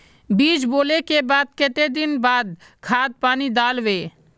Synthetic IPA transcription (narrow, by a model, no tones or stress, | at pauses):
biːt͡ʃboːlekebaːd̪̚kɪt̪ed̪ɪnbaːd̪̚ | kʰaːd̪̚paːnid̪aːlʋeː